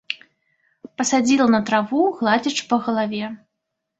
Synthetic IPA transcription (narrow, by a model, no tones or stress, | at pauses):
pɐsad͡zʲilˠɐnɐt̪ɾavuɣlˠad͡zʲit͡ʂpɐɣɐlˠavʲɛ